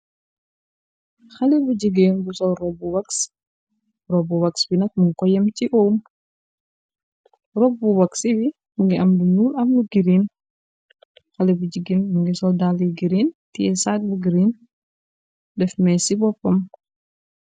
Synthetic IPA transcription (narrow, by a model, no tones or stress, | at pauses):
xɐlibud͡ʒiɡeːnbusɔrɔbuwɐks | rɔbuwɐksbinɐk̚muŋkɔjɐmt͡ʃiʔoːm | rɔbːuwɐksiwi | uŋɡiʔɐmluɲuːlɐmluɡiɾiːn | xɐlɛbud͡ʒiɡinmuŋɡisɔldaliɡiɾiːntiɛsaːt̚buɡiɾiːn | dɛfmɛsibɔpːɐm